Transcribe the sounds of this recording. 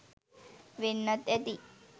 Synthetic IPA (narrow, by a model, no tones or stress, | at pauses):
ʋenːət̪ɛt̪i